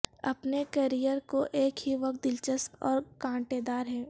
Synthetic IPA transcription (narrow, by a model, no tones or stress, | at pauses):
ɐ̰pnekɐɾijəɾkoʔeːkɦiʋɐk̚t̪̚d̪ɪlt͡ʃəstɔ̰ːɾkãːʈed̪aːɾɦɛ̃ː